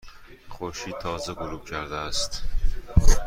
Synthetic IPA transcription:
χoɾʃiːd̪̚t̪ʰːɒːzeɡoɾuːb̥cʰæɾd̪eæst̪

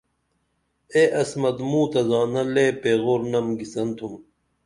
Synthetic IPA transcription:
eʔɐsmɐd̪muːt̪ɐzɑːnɐleːpeːɣoːɾnɐmɡisɐnt̪ʰum

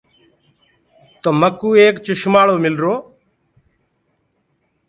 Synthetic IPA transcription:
t̪oːməkːuːeːkt͡ʃʊʃmaːɭoːmɪlɾoː

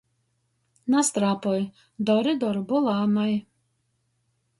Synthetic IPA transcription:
nast̪ɾapɔj | d̪ɔɾid̪ɔɾbulˠamaj

